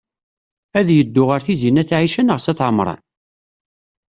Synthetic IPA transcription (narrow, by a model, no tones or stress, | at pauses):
æðjəd̪ːʊʁəɾθizinæθʕiʃənəʁsæθʕəmɾˤɑ̰n